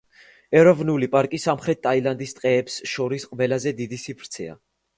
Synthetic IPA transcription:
ɛɾɔvnulipʼaɾkʼisamχɾɛt̪ʰːʼailand̪ist̪ʼqʼɛːpsʃɔɾisqʼvɛlazɛd̪id̪isipʰɾt̪sʰɛ̰a̰

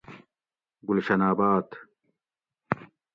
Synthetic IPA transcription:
ɡulɕɐnaːbaːt̪

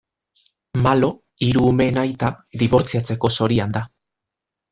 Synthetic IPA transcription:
malo̞ | iɾuːme̞najt̪ad̪iβo̞ɾt͡siat͡se̞ko̞so̞ɾiand̪a

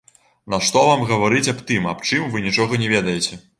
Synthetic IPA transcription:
nɐʂt̪ɔvamɣɐvaɾɨt͡sʲɐpt̪ɨmapt͡ʂɨmvɨnʲit͡ʂɔɣɐnʲɛvʲɛd̪ɐjɛt͡sʲɛ

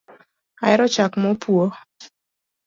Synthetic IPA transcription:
aɛɾɔt͡ʃakmɔpʰuo

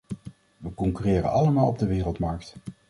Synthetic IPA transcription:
ʋəkɔŋkyrɪːrə̰nɑləmaːlˠɔb̚dəʋɪːrəlˠtmɑɹkt

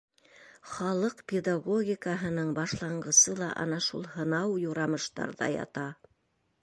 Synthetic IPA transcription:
χɑlˠɤqpʲed̪aɡoɡʲikəɦɤ̆nɤɴbɑʃlˠɑɴɢɤ̆sɤlˠɑʔɑ̰nɑʃulˠhɤ̆nɑwjuɾɑmɤ̆ʃt̪ɑ̰ɾðɑ̰jɑ̰t̪ɑ

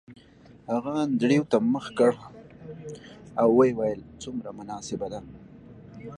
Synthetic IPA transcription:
haɣand̪ɽiwt̪aməxkəɽ | awːajwajəlt͡sumɾamʊnɑsɪbad̪a

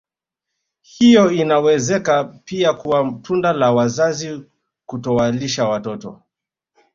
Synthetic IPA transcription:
hijɔinawɛzɛkapiakuwatʰundalawazazi | kutɔwaliʃawatɔtɔ̰

